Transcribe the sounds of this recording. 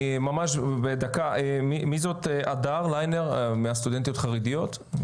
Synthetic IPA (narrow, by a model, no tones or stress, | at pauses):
mamaʃbed̪akaʔemimizo̞t̪eʔadaʁlajneʁmeast̪ud̪ent̪ijo̞t̪χaʁidijo̞t̪